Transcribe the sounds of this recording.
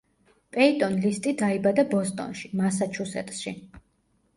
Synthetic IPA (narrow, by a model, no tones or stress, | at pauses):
pʼɛit̪ʼɔnlist̪ʼid̪aibad̪abɔst̪ʼɔ̰nʃimasat͡ʃʰusɛ̰t̪ʼʃḭ